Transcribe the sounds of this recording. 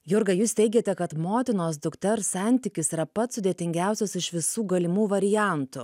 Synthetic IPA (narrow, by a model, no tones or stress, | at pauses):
jʊɾɡɐjuːst̪ʲɛɪɡʲeːt̪ʲɛkɐt̪moːt̪ʲɪnoːsd̪ʊkt̪ʲɛɾsɑˑnʲt̪ʲɪkʲɪsiɾɐpɐt̪sʊd̪ʲeɛt̪ʲɪŋʲɡʲæˑʊsʲosɪʃʋʲɪsuːɡɐlʲɪmuːʋɐɾʲɪjæˑnt̪ʊ